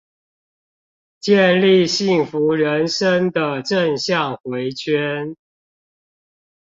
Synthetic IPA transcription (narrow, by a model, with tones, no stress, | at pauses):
t͡ɕjɛ˥˨nli˥˧˨ɕi˥˩ŋfu˨˦ɻə˨˦nʂə˦ŋd̪ə˨ʈ͡ʂə˥˧ŋɕjɑ˥˨˩ŋxwe˨˦˥ɪt͡ɕʰɥɛ˦n